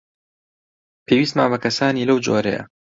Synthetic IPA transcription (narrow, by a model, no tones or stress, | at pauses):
pʰewiːs̬t̪maːbɐkɐsaːniːlɐwd͡ʒo̰ːɾɛ̰jɐ̰